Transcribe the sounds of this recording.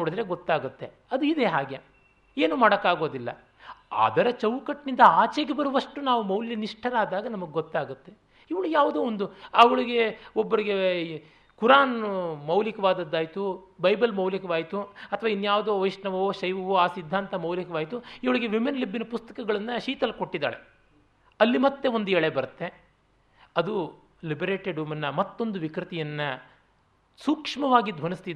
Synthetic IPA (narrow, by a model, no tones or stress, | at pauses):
ɐɽid̪ɾeɡɔt̪ːaːɡut̪ːe̞ | ɐd̪uid̪eɦaːɡe | eːnumaːɽɐkːaːɡo̞ːd̪ilːɐ̰ | a̰ːd̪ɐɾɐt͡ʃɐwkɐʈnind̪ɐaːt͡ʃeɡebɐɾuʋɐʂʈunaːʋumɐwljɐniʂʈʰɐɾaːd̪aːɡɐnɐmɐɡeɡɔt̪ːaːɡut̪ːe̞ | iʋɐɭujaːʋud̪oːond̪uɐʋɐɭiɡe̞ɔbːɐɾiɡe̞ | kuɾaːnmɐwlikɐʋaːd̪ɐd̪ːaːjt̪ubɐjbɐlmɐwlɐkɐʋaːjit̪uɐt̪ʰɐʋaːinːjaːʋud̪oːʋɐjʂɳɐʋɐoːʃɐjʋɐʋoːaːsid̪ʱːaːnt̪ɐmɐwlikɐʋaːjit̪uiʋɐɭiɡe̞ʋimenlibːinɐpust̪ɐ̥kɐɡɐɭɐnːɐʃiːt̪ɐlko̞ʈːid̪a̰ːɭe | ɐlːimɐt̪ːe̞ond̪uɛɭebɐɾut̪ːe | ɐd̪u | libɐɾeːʈeɖumɐnːɐmɐt̪ːo̞nd̪uʋikɾit̪ijɐnːɐ | sukʂmɐʋaːɡid̪ʱʋɐnist̪id̪